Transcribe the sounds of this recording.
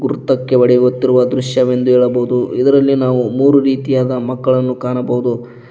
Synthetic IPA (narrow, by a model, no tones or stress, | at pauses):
ɡuɾt̪ɐkːe̞ʋɐɽiɡot̪ːiɾuʋɐd̪ɾuʂjɐʋe̞nd̪uɛːɭɐbɐɦud̪uid̪ɐɾɐlːinaːʋumuːɾuɾiːt̪ijaːd̪ɐmɐkːɐɭɐnːukaːɳɐbɐɦud̪u